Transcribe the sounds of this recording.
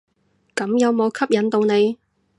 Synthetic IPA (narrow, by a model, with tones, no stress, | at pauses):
kɐ˨˥mjɐ˨˧wmo˨˧wkʰɐ˥p̚jɐ˨˧˥nt̪o˨˧wne˨˧j